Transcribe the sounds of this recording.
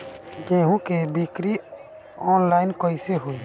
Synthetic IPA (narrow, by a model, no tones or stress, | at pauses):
d͡ʒẽɦũkebikɾi | ɔːnlaɪnkɔjseɦoi